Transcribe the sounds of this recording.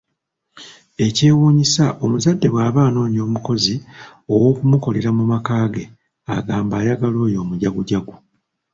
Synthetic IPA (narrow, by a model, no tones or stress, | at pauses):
e̞ce̞ːwuːɲisaʔo̞muzadːe̞βwaːβaːno̞ːɲio̞ːmuko̞zi | o̞wo̞ːkumuko̞le̞ɾamumakaːɡe̞ | aɡaːmbaːjaɡalo̞ːjo̞ːmuɟaɡuɟaɡu